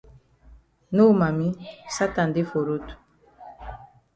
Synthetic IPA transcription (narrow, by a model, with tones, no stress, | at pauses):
no˦˨ma˨mi˦sa˦ta˨nde˦fo˨ɾo˦tu̥˨